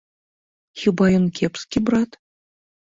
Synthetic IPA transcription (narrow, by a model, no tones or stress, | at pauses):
xʲibɑjonkʲepskʲibrɑt̪